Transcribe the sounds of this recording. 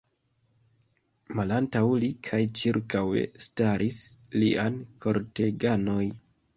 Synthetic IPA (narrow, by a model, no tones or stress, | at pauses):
malantawlikʰajt͡ʃiɾkawe̞̰staɾʔisliʔankʰo̞ɾte̞ɡano̞j